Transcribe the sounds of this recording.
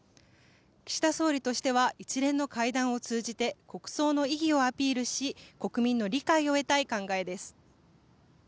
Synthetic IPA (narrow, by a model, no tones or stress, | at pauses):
kʲi̥ɕi̥t̪aso̞ːɾʲit̪o̞ɕi̥t̪e̞β̞aʔit͡ɕiɾẽ̞nːo̞kaid̪ãɰ̃o̞t͡sɨːʑit̪e̞ko̞kɯ̟̥so̞ːno̞iɡʲio̞apʲiːɾɯ̟ɕiko̞kɯ̟mʲĩnːo̞ɾʲikaio̞e̞t̪aikãŋɡae̞d̪e̞sɨ̥